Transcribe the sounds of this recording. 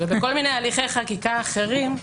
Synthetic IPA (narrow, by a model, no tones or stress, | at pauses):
ebeko̞lminejaliχe̞jχakikaːχe̞ʁim